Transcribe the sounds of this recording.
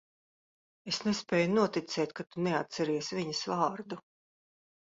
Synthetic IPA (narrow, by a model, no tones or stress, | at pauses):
esnespʲɛːjunuɔt̪it̪sɛːt̪̚ʲkat̪unɛat̪sɛɾiɛsvʲiɲɐsvɑːɾd̪u